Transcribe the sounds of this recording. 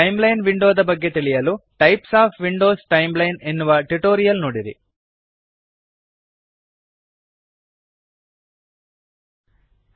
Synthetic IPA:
ɐjmlɐjnʋiɳɖoːd̪ɐbɐɡːet̪elijɐluʈɐjpsaːpʰʋiɳɖo̞ːsʈɐjmlɐjnenːuʋɐʈuʈoːɾijɐlnuɽiɾḭ

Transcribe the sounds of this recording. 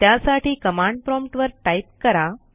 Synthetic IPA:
t̪jasaʈiːkəmãɳɖpɾɔmpʈʋəɾʈaipkəɾa

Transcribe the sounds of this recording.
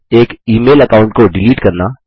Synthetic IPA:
eːkiːmeːlɐkaːʊ̃ɳʈ̚koɖɪliːʈkɐɾna

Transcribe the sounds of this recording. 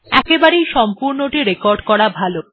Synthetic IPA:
ɛkebaɾejʃɔmpuɾnoʈiɾekoɾɖkɔɽabʱalo

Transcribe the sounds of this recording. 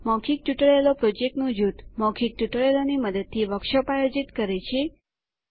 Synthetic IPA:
mɔ̃kʰik̚t͡ʃuʈəɭelopɾod͡ʒek̚ʈnũd͡ʒut̪mɔ̃kʰik̚t͡ʃuʈəɭeloniməd̪əd̪̚t̪ʰiʋəkʃəpajod͡ʒit̪kəɾet͡ʃʰe

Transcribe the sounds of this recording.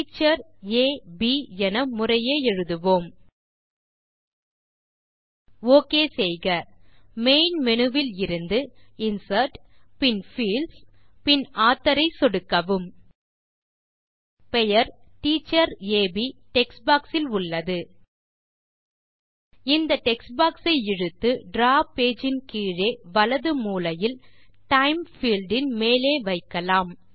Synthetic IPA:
t͡ʃːɐɾeːbiɛnɐmʊrɐjeːɛɻɯðɯʋoːm | oːkeːsɛjɣɐmeɪnmɛnɯʋɪlɪɾɯnd̪ɯɪnsɐɾʈpɪnfiːlspɪnaːt̪ːɐɾɐɪsɔɽɯkːɐʋɯm | pɛjɐɾʈiːt͡ʃːɐɾeːbiʈɛksbaːksɪlʊɭːɐðɯ | ɪnd̪ɐʈɛksbaːksɐɪɪɻɯt̪ːɯɖɾaːpːeːd͡ʒɪnkiːɻeːʋɐlɐðɯmuːlɐjɪlʈɐɪmfiːlɖɪnmeːleːʋɐɪkːɐlaːm

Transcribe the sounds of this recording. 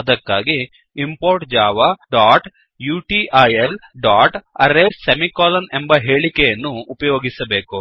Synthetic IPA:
ɐd̪ɐkːaːɡiː | mpoːɾʈd͡ʒaːʋaɖaːʈ | juːʈiːʔaːjelɖaːʈɐɾeːsemikoːlɐnembɐɦe̞ːɭikejɐnːuːpɐjoːɡisɐbe̞ːku

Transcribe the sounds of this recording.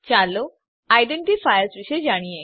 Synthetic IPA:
t͡ɕalo | ajɖeɳʈifajəɾsʋiɕejd͡ʑaɽ̃ije

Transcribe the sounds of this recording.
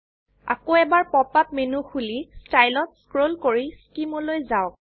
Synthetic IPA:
a̰koɛbaɹpɔpap̚menuxulistajlɔt̚skɹolkoɹiskimɔlojzaʊk̚

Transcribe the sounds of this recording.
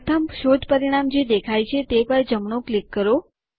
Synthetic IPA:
t̪ʰəmʃod̪ʱpəɾiɽ̃amd͡ʒed̪ekʰajt͡ʃʰet̪epəɾd͡ʒəmɳoklikːəɾo

